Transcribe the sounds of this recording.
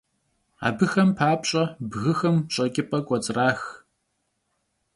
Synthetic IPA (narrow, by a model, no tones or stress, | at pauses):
a̰ːbɨxɐmpʰaːpʼɕʼɐbɣɨxɐmɕʼɐkʲʼɪpʰʼɐkʷʼɔt͡sʼraːx